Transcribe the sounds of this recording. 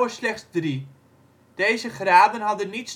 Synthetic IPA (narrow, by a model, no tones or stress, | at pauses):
əslɛχtsdri | d̥ejzəχraːbənɦɑdənits